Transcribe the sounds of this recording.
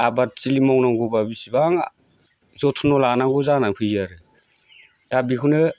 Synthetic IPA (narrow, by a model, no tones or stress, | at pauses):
abat̚t͡ʃilimɔŋnaŋɡubabisibaŋ | zɔtʰɔnɔlanaŋɡuzanaŋpʰɯjzaɾɯ | d̥abikʰunɯ